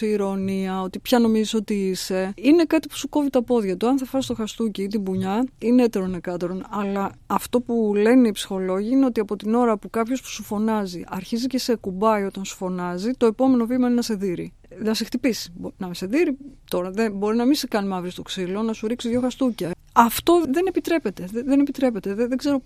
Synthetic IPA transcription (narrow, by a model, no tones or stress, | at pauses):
eiɾo̞niɐo̞t̪ipçɐno̞miziso̞t̪iise̞ine̞kɐt̪i̥pu̥suko̞vit̪ɐpo̞ðʝɐt̪uɐnθɐfɐsst̪o̞xɐst̪uciit̪ibuɲɐineet̪e̞ɾonekɐt̪eɾo̞nɐlɐɐft̪o̞pule̞neipsi̥xo̞lo̞ʝiine̞o̞t̪iɐpo̞t̪ino̞ɾɐpukɐpço̞spu̥sufo̞nɐziʔɐɾçizice̞se̞kubɐio̞t̪ɐnsu̥fo̞nɐzit̪o̞epo̞me̞no̞vimɐnenɐse̞ðiɾi | nɐsext̪ipisi̥bonɐmise̞ðiɾit̪o̞ɾɐðenbo̞ɾinɐmĩnsekɐnimɐvɾist̪o̞ksilo̞nɐsuɾiksiðʝo̞xɐst̪ucɐ | ɐft̪o̞ðe̞ne̞pit̪ɾe̞pe̞t̪e̞ðenepit̪ɾe̞pet̪e̞ðeðeɡzeɾo̞